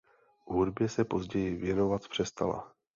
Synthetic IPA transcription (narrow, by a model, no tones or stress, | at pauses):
vɦudbjɛsɛpo̞zɟɛjɪvjɛno̞vat̪pr̝̥ɛst̪ala̰